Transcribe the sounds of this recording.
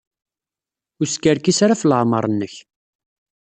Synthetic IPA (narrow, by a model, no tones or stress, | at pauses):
ʊskːəɾkisɾafləʕmə̰ɾˤnːəç